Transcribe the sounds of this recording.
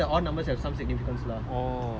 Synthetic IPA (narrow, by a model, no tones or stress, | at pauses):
əɔlnɐ̃mbəsɦɛʋ̥sãmsiɡ̚nifikə̃nsla | ɔ